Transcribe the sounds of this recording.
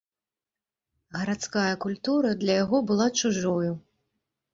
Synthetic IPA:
ɣɐɾat̪skajɐkulʲt̪uɾɐd̪lʲɐjaɣɔbɨlˠat͡ʂuʐɔju

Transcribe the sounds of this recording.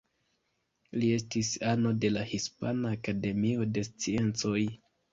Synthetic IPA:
lie̞stisano̞de̞lahispanaːkade̞mio̞de̞st͡sie̞nt͡so̞j

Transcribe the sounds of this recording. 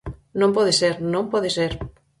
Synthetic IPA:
nõmpɔðeseɾnõmpɔðeseɾ

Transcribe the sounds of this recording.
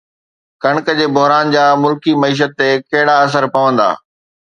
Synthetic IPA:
kɐɽ̃kəd͡ʑeːbʊɦɾaːnd͡ʑaːmʊlkimɐiːʃ̬ət̪ːekɐɦɪɽaɐs̬əɾpɐʋə̃nd̪a̰ː

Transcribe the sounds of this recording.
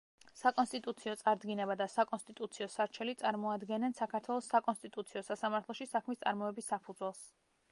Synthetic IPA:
sakʼɔnst̪ʼit̪ʼut̪sʰiɔt̪sʼaɾd̪ɡinɛbad̪asakʼɔnst̪ʼit̪ʼut̪sʰiɔsaɾt͡ʃʰɛlit̪sʼaɾmɔad̪ɡɛnɛnsakʰaɾt̪ʰwɛlˠɔsːakʼɔnst̪ʼit̪ʼut̪sʰiɔsasamaɾt̪ʰlɔʃisakʰmist̪sʼaɾmɔɛbisːapʰud̪zwɛlˠs

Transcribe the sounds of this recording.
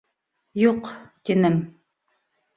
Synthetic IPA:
juqt̪inɘm

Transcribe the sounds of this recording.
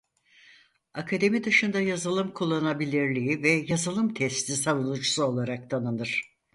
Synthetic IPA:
akʰad̪e̞mid̪ɯʃɯnd̪ajazɯlˠɯmkʰulˠːanabilʲiɾlʲijivɛjazɯlˠɯmt̪ʰɛst̪isavunˠut͡ʃusuo̞lˠaɾak̚t̪ʰanɯnɯɾ̥

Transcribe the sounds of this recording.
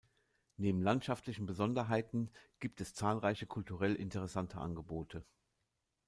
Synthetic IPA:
neːbm̩lantʃaftʰlɪçn̩bəzɔndɐɦaɪtn̩ɡ̥iːp̚tɛst͡saːlʁaɪçəkʰʊltʰuʁɛlʔɪ̰ntʰəʁɛsantʰəʔa̰nɡəboːtʰə

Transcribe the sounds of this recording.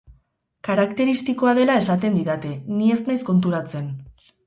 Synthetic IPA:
kaɾakt̪e̞ɾist̪iko̞að̞e̞lae̞sat̪e̞nd̪iðat̪enie̞snajsko̞nt̪uɾat͡se̞n

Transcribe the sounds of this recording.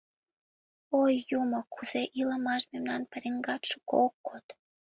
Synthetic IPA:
ojːumŏkuz̥eʔiləmɑʃmemnɑnpəɾeŋɡɑt̪ʃu̥ko̰okːot̪

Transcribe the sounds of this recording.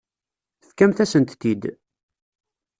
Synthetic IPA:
θkæmθæsənt̪t̪ːid̪

